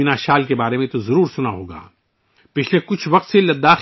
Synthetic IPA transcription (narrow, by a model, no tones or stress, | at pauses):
ɪnaːʃaːlkebaːɾemẽt̪ozɐɾuːɾsʊnaɦoːɡa̰ː | pɪt͡ʃʰlekʊt͡ʃʰʋɐq̚t̪selɐd̪ːaːx